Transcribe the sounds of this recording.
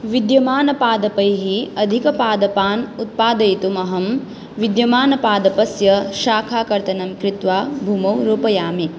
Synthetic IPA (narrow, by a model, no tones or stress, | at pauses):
ʋid̪jɐmaːnɐpaːd̪ɐpɐjɦiɐd̪ʱikɐpaːd̪ɐpaːnut̪̚paːd̪ɐjt̪umɐɦɐm | ʋid̪jɐmaːnɐpaːd̪ɐpɐsjɐʃaːkʰaːkɐɾt̪ɐnɐmkɾɪt̪ʋaːbʱumɐwɾuːpɐjaːmi